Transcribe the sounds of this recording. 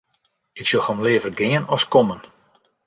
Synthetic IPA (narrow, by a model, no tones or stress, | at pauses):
ɪksolˠxɔmlɪːəvərɡɪənɔskɔmən